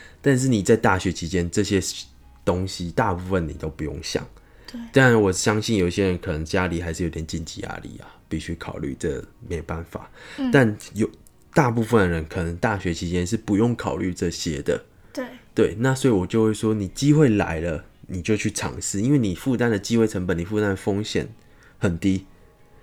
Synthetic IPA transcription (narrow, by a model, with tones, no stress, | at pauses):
t̪a˥˧nʂ̬ɻ̩˥˩ni˨˩t͡sa˥˧ɪt̪a˥˩ɕɥɛ˧t͡ɕʰi˧˥t͡ɕjɛ˦˥nʈ͡ʂɤ˥˨ɕjɛ˦ | t̪o˦ŋɕi˨t̪a˥˧pu˥˧fə˨˩nḭ˨˩t̪o˥ʊpu˨˧˦jo̰˥˨˩ŋɕjɑ̰˨˩ŋ | t̪a˥˩wɔ˨˩ɕjɑ˦˥ŋɕi˥˩njo˨˩ʊi˨˩ɕjɛ˦˥ɻə˧˦nkʰɤ˨˩nə˧˦ŋt͡ɕja˦li˨xa˧˥ɪʂɻ̩˥˩jo˧˥ɪt̪jɛ˨˩t͡ɕi˥˩nt͡ɕḭ˨˩ja̰˥lḭ˨˩a̰˨˩pi˥˩ɕy˥kʰɑ˨˩ʊly̰˥˩ʈ͡ʂə˥˧me˧˥ɪjo˨˩ba˥˩nfa̰˨˩t̪a˥˩njo˨˩ʊ | t̪a˥˧pu˥˧fə˨˩nd̪ə˨˩ɻə˧˦nkʰɤ˨˩nə˧˦˥ŋt̪a˥˩ɕɥɛ˧˦t͡ɕʰi˧˥t͡ɕjɛ˥nʂ̬ɻ̩˥˩pu˨˦jo˥˩ŋkʰɑ˨˩ʊly˥˧ʈ͡ʂə˥˧ɕjɛ˧˥d̪ə̰˨˩ | t̪we˥˩ɪna˥˩swɔ˧˥i˨wɔ˨˩t͡ɕjo˥˧xwe˥˩ɪʂwɔ˥ni˨˩t͡ɕi˦xwe˥˩ɪla̰˧˦˥ɪlə˧ni˨˩t͡ɕjo˥˧ʊt͡ɕʰy˥˩ʈ͡ʂʰɑ̰˨˩ŋsɹ̩˥˧i˥nwe˥˩ɪni˨˩fu˥˧t̪a˥nd̪ə˨t͡ɕi˥xwe˥˩ɪʈ͡ʂʰə˧˥ŋbə˨˦ni˨˩fu˥˧t̪a˥nd̪ə˨˩fo˥ŋɕjɛ̰˨˩˦n | hə˨˩nt̪i˦˥